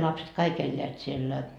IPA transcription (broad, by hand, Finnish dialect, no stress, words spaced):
lɑpset kɑik elʲːeæt sielːæ